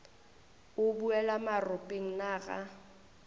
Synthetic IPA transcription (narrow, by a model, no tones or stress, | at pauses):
ʊbuɛlamarʊpʼeŋ̩naːɣa̰